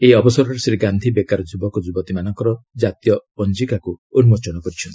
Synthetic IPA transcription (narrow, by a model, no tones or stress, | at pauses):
eɔbɔsɔɾɔɾesɾiɡand̪ʱibekaɾɔd͡ʒubɔkɔd͡ʒubɔt̪imanɔŋkɔɾɔd͡ʒat̪jɔɔnd͡ʒikakuonumɔt͡ʃɔnɔkɔɾit͡ʃʰɔnt̪i̥